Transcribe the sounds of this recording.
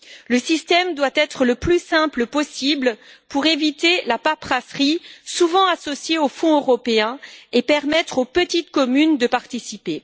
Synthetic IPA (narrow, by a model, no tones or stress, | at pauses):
ləsist̪ɛmd̪wat̪ɛt̪χələplysɛ̃pləpɔsiblpuʁevit̪elapapχasχisuvɑ̃asɔsjeofɔ̃øʁɔpeɛ̃epɛʁmɛt̪χopət̪it̪kɔmynd̪əpaʁt̪isipe